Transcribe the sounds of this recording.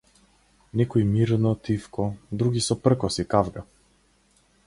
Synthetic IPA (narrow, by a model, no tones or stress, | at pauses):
nɛkɔjmiɾnɔt̪ifkɔd̪ɾuɡʲisɔpr̩kɔsikavɡa